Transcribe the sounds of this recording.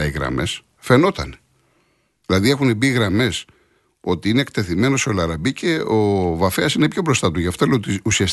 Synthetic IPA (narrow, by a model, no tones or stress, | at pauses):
ɐiɣɾɐ̰me̞̰s | fe̞no̞t̪ɐ̰ne | ðilɐðie̞xunebiɣɾɐme̞s | o̞t̪iineːk̚t̪e̞θime̞no̞solɐɾɐbicʰe̞ovɐfeɐsinepço̞bɾo̞st̪ɐt̪uʝɐft̪oleot̪iusiɐs